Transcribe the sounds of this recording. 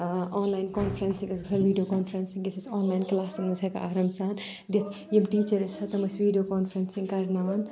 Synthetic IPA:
oːnlaːjnkoːnfɾɐnsĩŋkɐsksɐʋiːɖijoːkoːnfɾɐnsĩŋɡɐsɐsoːnlaːjnklaːsiŋmɐzɐka̰aːɾɐmsaːn | d̪it̪ | jibʈiːt͡ʃɐɾisɐt̪ɐmɐsʋiːɖijoːkoːnfɾɐnsĩŋɡkɐɾnaʋɐn

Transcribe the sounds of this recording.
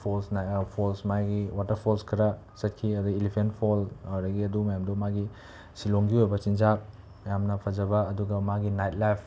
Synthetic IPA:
pʰolsnapʰolsmajɡiwatɐɾpʰolskʰɐɾɐ | sɐt̚kʰiɐduɡilipʰenpʰolɾɐɡiɐdumɐjamdumaɡi | siloŋɡiojbɐt͡ʃind͡ʒak̚ | mɐjamnɐpʰɐzɐbɐːduɡɐmaɡinajt̚lajpʰ

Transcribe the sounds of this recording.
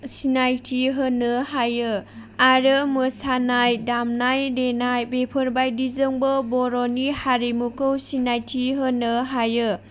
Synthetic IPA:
sinajtʰiɦənɯhajɯ | aɾɯmɯsanajdamnajdenajbepʰɯɾbajdizɯŋbəbɔɾɔnihaɾimukɯwsinajtʰiɦənɯɦajɯ

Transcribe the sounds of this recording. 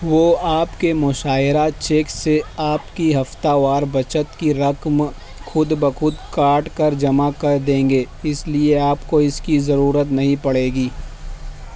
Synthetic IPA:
ʋoːaːpkemʊʃaːɪɾat͡ʃeːkseaːpkiɦɐft̪aʋaːɾbɐt͡ʃət̪kiɾɐkm | xʰʊd̪bəxʊd̪kaːʈkɐɾd͡ʒɐmakɐɾd̪ẽːŋɡeː | ɪslieaːpkoɪskizɐɾuːɾət̪nɐɦĩpɐɽeːɡiː

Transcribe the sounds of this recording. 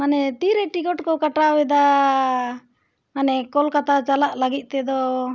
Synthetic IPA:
manɛt̪iɾeʈikɔʈkɔkaʈawɛd̪a | manɛkɔlkat̪ʰat͡ʃalaʔlaɡit̪̚ˀt̪ɛd̪ɔ

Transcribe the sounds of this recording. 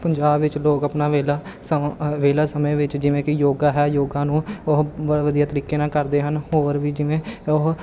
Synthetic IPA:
pəɲd͡ʒaːbʋɪt͡ʃloːkəpnaːʋeːlaː | ʋeːlaːsəmẽːʋɪt͡ʃd͡ʒɪʋẽːkɪjoːɡaːɦɛːjoːɡãːnũːʊɦʋəɽʋəd̪ijaːt̪əɾiːkeːnãːkəɾd̪eːɦənhoːɾʋiːd͡ʒɪʋẽːʊɦ

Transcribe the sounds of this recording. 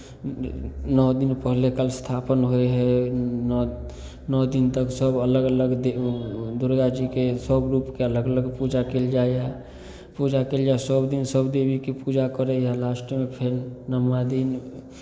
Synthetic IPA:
nɔːd̪inpəɦlekəlst̪ʰapənɦoeɦɛ | nɔd̪int̪əksəbələɡələɡd̪ed̪uɾɡad͡ʒikesəbɾupkeələɡələɡpud͡ʒakeld͡ʒaea | pud͡ʒakeld͡ʒaesəbd̪insəbd̪ebikepud͡ʒakəɾejalasʈmepʰeɾnəmad̪in

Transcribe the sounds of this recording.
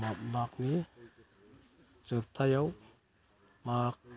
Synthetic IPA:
mak̚ni | t͡sɯp̚t̪ʰajaw | mak̚

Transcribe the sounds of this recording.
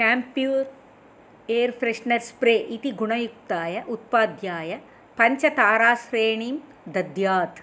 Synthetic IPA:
kaːmpijuːɾ | eːɾfɾeʂɳɐɾspɾeːʔit̪iɡuɳɐjuk̚t̪aːjɐʔut̪̚paːd̪ʱjaːjɐ | pɐɲt͡ʃɐt̪aːɾaːsɾeːɳiːm | d̪ɐd̪jaːt̪

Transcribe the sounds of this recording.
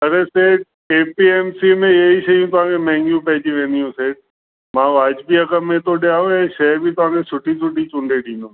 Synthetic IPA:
ɐɾeseːɖ̚ | eːpiːeːmsimẽeɦiʃɐiũt̪ʊʋ̤ãːkʰemɛ̃ɦɪ̃ŋɡjũpɛɦd͡ʑĩʋẽːnd̪ijɦũseːɖ̚ | mãːʋaːd͡ʑbʱiɐkəːẽt̪oɗɪjaːõɛ̃ʃɐːbʱit̪ʊʋãːkʰẽsʊʈʰisʊʈit͡ʃʊ̃ɳɖeɗĩːnd̪õ

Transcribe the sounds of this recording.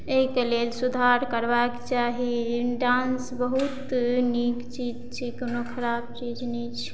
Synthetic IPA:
eikelelsud̪ʱaɾkəɾbakt͡ʃaɦiɖãnsbəɦut̪nikt͡ʃid͡ʒt͡ʃʰikonokʰəɾab̚t͡ʃid͡ʒnɛt͡ʃʰ

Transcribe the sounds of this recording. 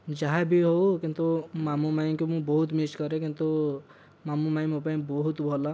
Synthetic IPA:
d͡ʒaɦabʱiɦokĩnt̪umamumajkomũbɔɦut̪miskʌɾekĩnt̪u | mamumãmopaĩbɔɦut̪bʱɔla

